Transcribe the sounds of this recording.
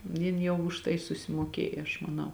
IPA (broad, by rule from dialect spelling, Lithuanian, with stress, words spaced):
ˈjɪn jɛʊ ʊʃ ˈtɐɪ sʊsʲɪmuɔˈkʲeːj ɐʃ mɐˈnɐʊ